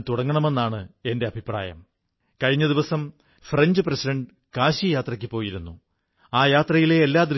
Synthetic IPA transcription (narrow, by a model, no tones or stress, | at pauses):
t̪uɽɐŋːɐɳɐme̞nːaːɳɨe̞ndeɐbʱipra̰ːjɐ̰m | kɐɻiɲːɐðiʋɐsɐm | freɲd͡ʑɨprɐsidɐɳɖɨ | kaːɕijaːt̪rɐkʲːɨpo̞ːjiɾunːu | aːjaːt̪rɐjile̞ːlːaːd̪rɨ